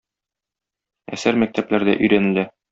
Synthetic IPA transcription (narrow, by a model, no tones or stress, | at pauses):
æ̰sæɾmæk̚t̪æplæɾd̪æ̰ʔɵ̆jɾænɘ̆ld̪æ